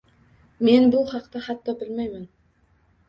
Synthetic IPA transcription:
me̞nbʊlˠχɑqt̪ɑhɑt̪ːɑbɪlmejmɪn

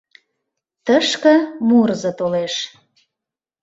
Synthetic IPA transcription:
t̪əʃkə̆murzət̪oleʃ

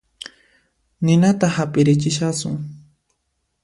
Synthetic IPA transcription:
nɪnat̪ahapɪɾɪt͡ʃɪʃasʊ̰ŋ

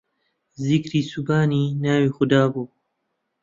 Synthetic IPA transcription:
zɪkɾiːsubaːniːnaːwiːxʊd̪aːbuː

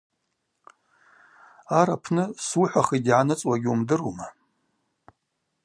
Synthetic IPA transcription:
aɾapʰnɨsuħʷaχidʕanɨt͡sʼwaɡʲumdɨruma

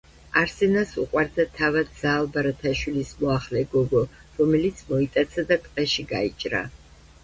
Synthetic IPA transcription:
aɾsɛnasṵqʼwaɾd̪at̪ʰavad̪z̥aːlˠbaɾat̪ʰaʃwilismɔaχlɛɡɔɡɔ | ɾɔmɛlit̪sʰmɔit̪ʼat̪sʰad̪at̪ʼqʼɛʃiɡait͡ʃʼɾa̰

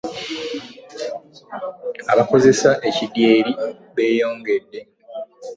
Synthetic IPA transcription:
aβako̞ze̞saʔe̞cidje̞ːɾi | βe̞ːjo̞ːŋɡe̞dːe̞

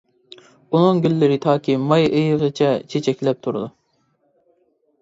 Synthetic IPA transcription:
unuŋɡʲylːɪɾɪt̪ʰɑːkʲʰimɑjejəʁɨt͡ʃʰɛt͡ʃʰet͡ʃʰɛkʲlɛp̚t̪ʰuɾṵd̪u

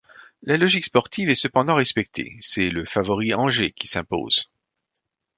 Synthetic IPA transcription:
lalɔʒikspɔʁt̪ʰivɛsəpɑ̃d̪ɑ̃ʁɛspɛk̚t̪ʰḛsɛləfavɔʁiɑ̃ʒekʲi̥sɛ̃po̰ːz̥

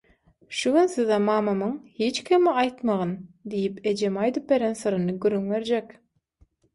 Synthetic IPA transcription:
ʃuɡynsiðɑmɑːmɑmɯŋhit͡ʃkʰʲimɑjt̪mɑʁɯnd̪ijipe̞d͡ʒe̞mɑjd̪ɯp̚be̞ɾensɯɾɯnɯɡyɾːyŋbe̞ɾd͡ʒekʲ

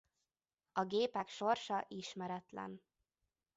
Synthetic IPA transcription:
ɒɡeːpɛkʃo̞rʃɒʔiʃmɛɾɛt̪lɛ̰n

